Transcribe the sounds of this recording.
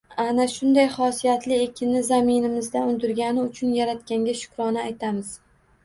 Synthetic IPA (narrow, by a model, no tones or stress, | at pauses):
anaʃʊnd̪ajχɒsijat̪ʰlɪe̞kʲʰɪnːɪzamɪnɪmɪzd̪aʊnd̪ɪɾɡʲanɪʊt͡ʃʰʊnjaɾat̪kʲaŋɡʲaʃʊ̥kɾɒnɪajt̪ʰamɪz̥